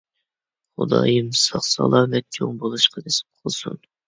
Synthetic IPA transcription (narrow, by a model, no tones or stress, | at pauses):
χʊ̰d̪ɑ̰ːjɨmsɑχsɑ̰lˠɑːmɛt̪̚kʲʰoŋbolˠuʃqɑd̪esɪ̥p̚qʰəlˠsun